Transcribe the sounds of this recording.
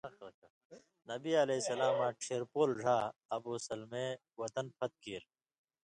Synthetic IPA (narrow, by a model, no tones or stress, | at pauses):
ɐlɐk | nɐbiɐlesɐlaːmãːʈʰeːɾpoːlɖʱaːɐboːsɐlme | wɐt̪ɐnpʰɐt̪̚kiːɾ